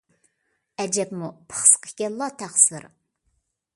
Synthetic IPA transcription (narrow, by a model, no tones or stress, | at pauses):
ɛd͡ʒɛpmupʰə̥χsqʰə̥kʲɛlːɑt̪ʰæχsɨ̰ɾ